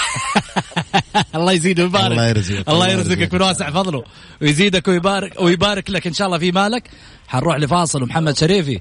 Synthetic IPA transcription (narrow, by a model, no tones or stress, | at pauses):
ɑlˤːɑːjziːd̪umbaːɾɾɪjɪɾzʔɑlˤːɑːjɪɾzɪkjakmʊnwaːsɪʕfɑðˤlu | wjziːd̪akwɪjbaːɾɪkwɪjbaːɾɪklakʔɪnʃaːʔlːɑːfimaːlak | ħanɾuːħlifɑːsˤɨlwmħamːad̪ʃaɾiːfi